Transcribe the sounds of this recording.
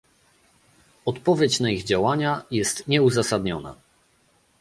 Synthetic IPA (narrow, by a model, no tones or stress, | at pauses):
ɔt̪pɔvʲjet͡ɕnaiɣd͡ʑawaɲajɛst̪ɲɛuzasad̪ɲɔna̰